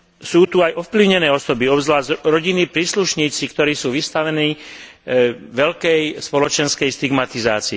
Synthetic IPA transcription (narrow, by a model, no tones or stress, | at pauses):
suːt̪uajɔfpliʊɲɛnɛːɔsɔbiɔbzlaːzɾɔɟinipɾiːsluʃɲiːt͡sikt̪ɔɾiːsuːʋist̪aʋɛniː | ʋɛʎkɛjspɔlɔt͡ʃɛnskɛjst̪iɡmat̪iza̰ːt͡siː